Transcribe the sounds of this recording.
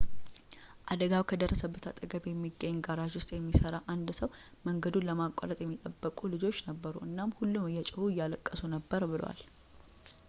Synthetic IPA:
ʔad̪əɡawkʰəd̪ərːəsəbːət̪ʰat̪ʼəɡəbjɛmːiɡəɲːɡaɾaʒwʊst̪ʼjɛmːisəɾaʔand̪səw | məŋɡəd̪unləmakʼːa̰ɾət̪ʼjɛmːit̪ʼəbːəkʼulɨd͡ʒo̞t͡ʃːnəbːəɾuʔɨnːamhulːumɨjːɛt͡ʃʼɪhujːaləkʼːəsunəbːəɾbɨl̰wa̰l

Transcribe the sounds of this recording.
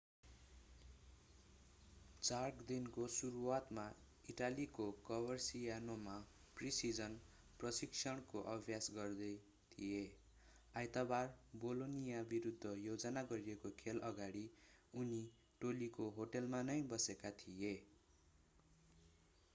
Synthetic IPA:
t͡sarkd̪inkosuɾuwat̪ma | iʈalikokʌbʌrsijanoma | prisid͡zʌn | prʌsiksʰʌɽ̃koʔʌbʱjasɡʌrd̪ʌj | t̪ʰije | ajt̪abarbolonijabiɾud̪ʱːʌjod͡zʌnaɡʌɾijekokʰelʔʌɡaɽiuni | ʈolikoɦoʈʌlmanʌjbʌsekat̪ʰije

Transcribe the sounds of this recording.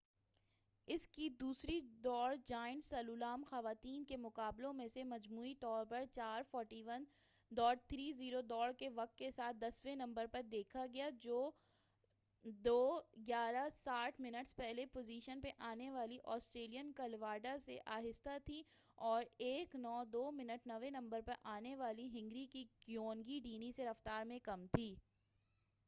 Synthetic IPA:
ɪskid̪uːsɾid̪ɔːɽd͡ʒaːɪnsɐluːlaːmxɐʋaːt̪iːnkemʊqaːblõmẽsemɐd͡ʒmuːit̪ɔːɾpɐɾt͡ʃaːɾfɔːɾʈiʋən | d̪ɔːɽt̪ʰɾiːziːɾod̪ɔːɽkeʋɐk̚t̪̚kesaːt̪̚ʰd̪ɐsʋẽnɐ̃mbəɾpɐɾd̪eːkʰaɡɐjad͡ʒoː | d̪oːɡjaːɾasaːʈʰmɪnəʈspɛɦlepoːziːʃənpeʔaːneʋaːliʔɔːsʈɾeːlijənkɐlʋaːɖasḛʔaːɦɪst̪at̪ʰi | ɔːɾeːknɔːd̪oːmɪnəʈnɐʋẽnɐ̃mbəɾpɐɾʔaːneʋaːliɦɪ̃ŋɡɾikikjoːnɡiɖiːniseɾɐft̪aːɾmẽkɐmt̪ʰiː

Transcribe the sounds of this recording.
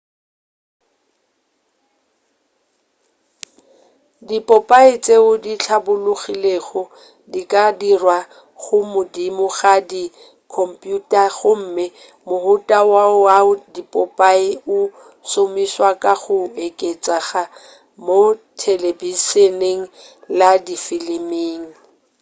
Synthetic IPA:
dipʼɔpʼaɪt͡sʼeʊdit͡ɬʰabʊlʊɣileɣɔ | dikʼadirwa | ɣʊmʊdimʊɣadi | kʰɔm̩pʼjutʼaɣʊm̩mɪ | mʊhʊtʼawaaʊdipʼɔpʼaɪʊ | somiswakʼaɣʊekʼet͡sʼaɣa | motʰelebiseneŋ̩ladifilimiːŋ̩

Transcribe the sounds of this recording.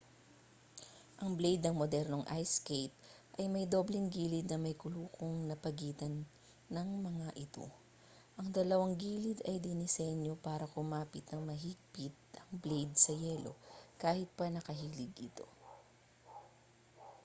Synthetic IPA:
ʔɐŋblejd̪nɐŋmod̪ɛɾno̞ŋʔajskejt̪̚ʔɐjmɐjd̪o̞blɛŋɡiːlɪd̪̚nɐmɐjkʊluːkoŋnɐpɐɡiːt̪ɐnː | ɐŋmɐŋaʔɪt̪o̞̰ | ʔɐŋd̪ɐlɐwaŋɡiːlɪd̪ɐjd̪ɪnɪsɛnjo̞paːɾɐkʊmaːpɪt̪̚nɐŋmɐɦiɡ̚pɪt̪̚ʔɐŋblejd̪̚sɐjɛlo̞̰kaːhɪt̪̚pɐnɐkɐɦiːlɪɡʔɪt̪o̞

